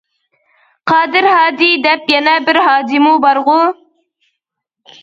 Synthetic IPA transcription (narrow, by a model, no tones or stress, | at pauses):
qʰɑːd̪ɪɾhɑːd̪id̪ɛpjɛnɛbɪɾɦɑːd̪imubɑɾʁʊ